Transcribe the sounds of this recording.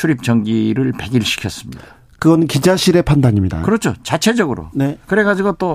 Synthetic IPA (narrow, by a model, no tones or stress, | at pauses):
t͡ɕʰuɾip̚t͡ɕʌŋɡiɾɯɭpe̞ɡiɭɕ͈ʰi̥kʰjʌs͈ɯmɲid̥a | kɯɡʌnɯnkid͡ʑaɕʰiɾe̞pʰandaɲimɲida̰kɯɾʌt͡ɕʰot͡ɕat͡ɕʰe̞d͡ʑʌɡɯɾo̰nekɯɾe̞ɡad͡ʑiɡot͈o